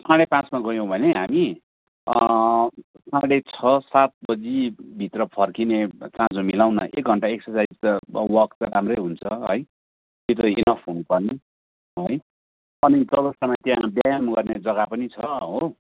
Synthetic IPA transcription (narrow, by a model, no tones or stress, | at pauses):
sãɽepãt͡smaɡʌjõw̃bʱʌneɦami | sãɽet͡sʰʌsat̪̚bʌd͡zibʱit̪rʌpʰʌrkinet͡sãd͡zomilawnʌ̰ʔek̚ɡʱʌɳʈaeksʌrsad͡zwʌktɾamrʌjɦunt͡sʰʌɦʌ̰j | t̪et̪ʌenʌpʰɦunupʌrni | ʌj | ʌnid͡zʌbʌst̪amat̪jãbjajamɡʌrned͡zʌɡapʌnit͡sʰʌʌɦo